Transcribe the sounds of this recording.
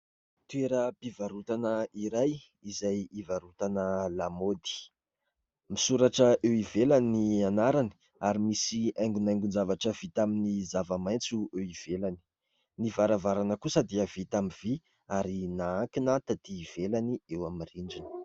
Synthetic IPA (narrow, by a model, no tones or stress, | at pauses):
t̪ueɾəpivaɾut̪anəiɾaj | izajivaɾut̪anəlamod̪i̥ | misuɾaʈ͡ʂəʔewivelanianaɾani̥ | aɾimisiaj̃ŋɡunajŋɡund͡ʒavaʈ͡ʂəvit̪aminizavamajnt͡suewiv̥elani̥ | nivaɾavaɾanəkusəd̪iəv̥it̪amiv̥i | aɾinaaŋkinat̪at̪iːv̥elaniewamiriɳɖ͡ʐini̥